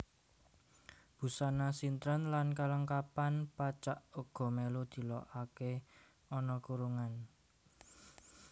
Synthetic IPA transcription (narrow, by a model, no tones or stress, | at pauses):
b̥ṳsanasint̪ɾənlankaləŋkapanpat͡ʃaʔoɡ̥ɔ̤melod̪̥i̤lɔʔake | ɔnɔkuɾuŋan